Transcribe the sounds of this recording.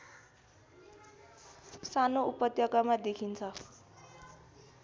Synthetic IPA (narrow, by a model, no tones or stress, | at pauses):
sanoupʌt̪jʌkamad̪ekʰint͡sʰʌ